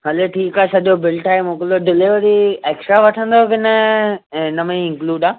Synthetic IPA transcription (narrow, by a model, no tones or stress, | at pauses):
ɦɐleʈʰiːkaːesɐʄobɪlʈʰaːɦemũːkloɖɪlɪʋɾieːksʈɾaʋɐʈʰə̃nd̪okɪnə | nɐmẽĩɪ̃ŋkluːɖaː